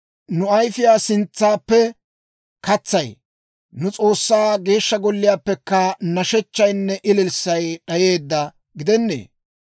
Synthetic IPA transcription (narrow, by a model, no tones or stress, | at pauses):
nʊɐjfɪjaːsɪnt͡sːaːpːɛ | kɐt͡sːɐj | nʊt͡sʼo̞ːsːaːɡe̞ːʃːɐɡɔlːɪjaːpːɛkːɐnɐʃɛt͡ʃːɐjnːɛʔɪlɪlsːɐjɗɐje̞ːd̪ːɐ | ɡɪd̪ɛnːḛː